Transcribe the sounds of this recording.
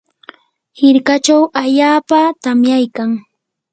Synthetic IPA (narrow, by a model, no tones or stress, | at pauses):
hɪɾkat͡ʃawaʎaːpat̪amjajkaŋ